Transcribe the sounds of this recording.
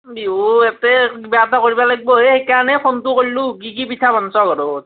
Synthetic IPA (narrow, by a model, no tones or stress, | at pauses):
biuɛtɛbatakoɹibalaɡ̚bɔɦexejkaɹnɛkʰontʊkollʊk̬ik̬ipitʰabʱɔnsɔɡɔɹot